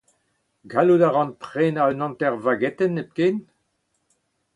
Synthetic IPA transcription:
ɡaludaʁɑ̃npʁeːnaønɑ̃ntɛʁvaɡɛt̪ɛnep̚keːn

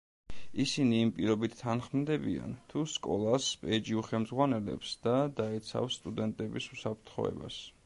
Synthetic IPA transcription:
isiniːmpʼiɾɔbit̪ʰt̪ʰːanχmd̪ɛbia̰nt̪ʰuskʼɔlˠaspʼɛd͡ʒiuχɛlmzʁwanɛlɛ̰psd̪̥ad̪aɛt̪sʰa̰fsːt̪ʼud̪ɛnt̪ʼɛbisusapʰɾt̪ʰχɔ̰ɛ̰ba̰s

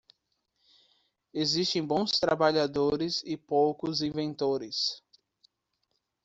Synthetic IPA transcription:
ezist̪ẽj̃bõw̃st̪ɾabaʎad̪oɾɪzɪpowkʊzĩvẽnt̪oɾɪs

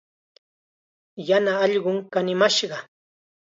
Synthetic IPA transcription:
janaːʎɢʊŋkanɪmaʃɢɑ

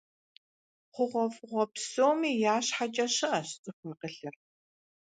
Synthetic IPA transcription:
χʷʊʁʷɔfʊʁʷɔpsoːmiːjaːɕħat͡ʃʼɐɕɐʔɐɕt͡sʼɨfɐqəɬɨr

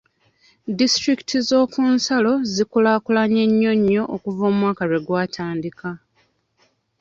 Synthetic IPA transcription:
distɾiki̥tʰizo̞ːkunsalo̞zikulaːkulaɲe̞ɲːo̞ɲːo̞ʔːkuvoːmwaːkaɾe̞ɡwaːtʰaːndika

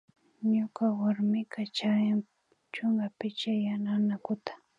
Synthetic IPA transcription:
ɲʊkawaɾmɪkat͡ʃajaŋ | t͡ʃʊŋɡapɪt͡ʃajananakʊt̪ḁ

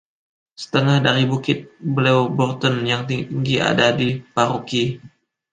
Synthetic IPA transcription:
sə̥t̪əŋahdaɾibukɪt̪̚bəlewbɔrt̪ɔnjaŋt̪it̪iŋɡia̰dadipaɾuki

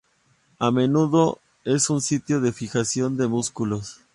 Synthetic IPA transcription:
ame̞nuðo̞ | e̞sunsit̪jo̞ðe̞fixasjo̞nd̪e̞muskulo̞s

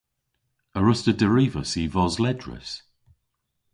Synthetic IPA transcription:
əɹʊstədəɹivəsiːvɔzlɛdɹə̰s

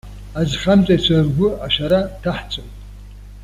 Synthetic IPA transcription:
azχamt͡sʷʼat͡ɕʷʰarɡʷʊaʃʷaɾatʰaħt͡sʷʼowtʼ

